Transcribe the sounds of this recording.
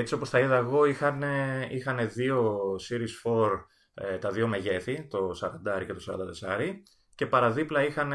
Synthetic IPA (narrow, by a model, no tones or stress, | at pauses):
et͡sio̞posθɐiðɐeɣo̞ixɐneixɐne̞ðio̞siɾisfo̞ɾ | t̪ɐðio̞me̞ʝe̞θit̪o̞sɐɾɐnd̪ɐɾice̞t̪osɐɾɐ̰nd̪ɐt̪e̞sɐɾi | ce̞pɐɾɐðiplɐixɐn